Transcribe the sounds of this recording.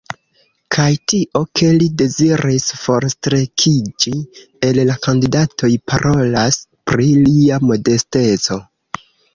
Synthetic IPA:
kʰajtiʔo̞kʰe̞lide̞ziɾisfo̞ɾstɾe̞kʰid͡ʒi | e̞llakandidatʰo̞jpʰaɾʔo̞laspɾiliamo̞de̞ste̞t͡so̞

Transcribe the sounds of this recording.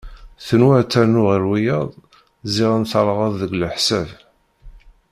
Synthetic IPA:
θənwæt͡sːænʊʁəɾwijəðˤ | ziʁænθɑlˤʁɑðˤðəɡləħsæv

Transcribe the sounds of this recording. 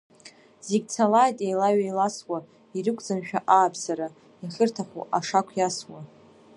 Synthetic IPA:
z̥eɡʲt͡sʰalajtʼjajlaɥajlaswa | iɾɨkʷʼd͡zanʃᶣaʔaːpʰsaɾa | iχʲɪrtʰaχṵʔaʂakʷʰjaswa

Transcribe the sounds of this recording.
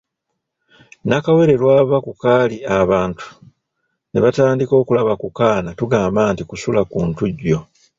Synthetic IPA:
nakawe̞ɾe̞lwaːβakukaːliaβaːntʰu̥ | neβataːndiko̞ːkulaβakukaːnatuɡaːmbaːntikusulakuːntuɟːo̞

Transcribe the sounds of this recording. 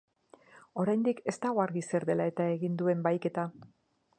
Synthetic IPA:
o̞ɾajnd̪ike̞st̪aɣo̞aɾɣise̞ɾðe̞lae̞t̪ae̞ɣind̪ue̞mbajke̞t̪a

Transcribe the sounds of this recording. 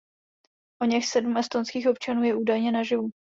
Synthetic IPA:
ʔoɲɛxsɛdumɛst̪onskiːxo̞p̚t͡ʃanuːjɛʔuːdajɲɛnaʒɪvu

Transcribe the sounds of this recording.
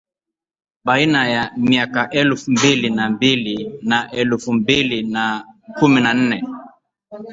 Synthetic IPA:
ɓainajamiakaʔɛlfumbilinambilinaʔɛlfumbilinakuminan̩nɛ

